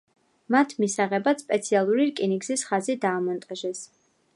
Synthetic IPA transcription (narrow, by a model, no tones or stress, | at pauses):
mat̪ʰmisaʁɛbaspʼɛt̪sʰialˠuɾiɾkʼiniɡzisχazid̪aːmɔnt̪ʼaʒɛs